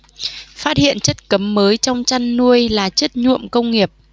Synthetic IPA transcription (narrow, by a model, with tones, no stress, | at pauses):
faː˦˥t̚hḭ˧˨ənt͡ɕə˦˥t̚kə˨˦mːəː˨˦jt͡ɕɔ˧wŋ͡mt͡ɕa˧nːu˧əjlaː˨˩t͡ɕə˦˥t̚ɲṵ˧˨əmkə˧wŋ͡mŋi˨˩əp̚